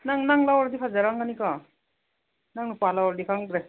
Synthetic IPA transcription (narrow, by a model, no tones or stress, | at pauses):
naŋnaŋlawaɾd̪ipʰazaɾaŋɡanika | naŋpalawaɾd̪ikʰaŋɡɾa